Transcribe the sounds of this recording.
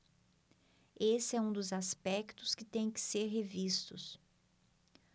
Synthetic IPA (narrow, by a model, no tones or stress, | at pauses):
esɪɛũd̪ʊzaspɛkt̪ʊskɪt̪ẽj̃kɪ̥seɾɦevist̪ʊs